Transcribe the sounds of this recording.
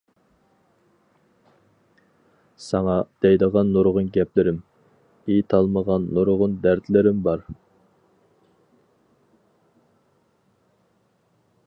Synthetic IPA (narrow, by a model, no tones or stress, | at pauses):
sɑŋɑd̪̥ɛjd̪əʁɑnːoɾʁʊnɡʲɛplɪɾɪm | ijt̪ʰɑlˠməʁɑnːoɾʁʊnd̪æɾt̪lɪɾɪmbɑɾ